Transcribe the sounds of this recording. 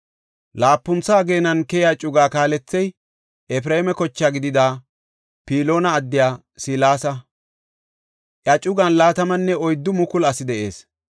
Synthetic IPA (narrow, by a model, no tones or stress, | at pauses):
laːpːʊnt͡sːaːɡe̞ːnɐnkɛjɪjaːt͡ʃʼʊɡaːkaːlɛt͡sːɛj | ʔɛf̬ɪɾɐɪmɛkɔt͡ʃːaɡɪd̪ɪd̪aː | piːlo̞ːnɐːd̪ːɪjaː | silaːsɐ | ʔjɐt͡ʃʼʊɡɐnlaːt̪ɐmɐnːɛɔjd̪ːʊmʊkʊlɐsɪd̪ɛʔe̞ːs